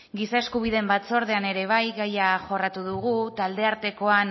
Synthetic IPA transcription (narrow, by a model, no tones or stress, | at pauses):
ɡisaeskuβ̞iðe̞mbat͡so̞ɾð̞e̞ane̞ɾe̞β̞ajɣajaʝo̞rat̪uðuɣut̪ald̪e̞aɾt̪e̞ko̞an